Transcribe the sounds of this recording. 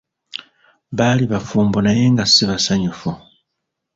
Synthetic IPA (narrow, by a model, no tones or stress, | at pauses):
βaːliβafuːmbonaje̞ŋɡasiβasaɲufu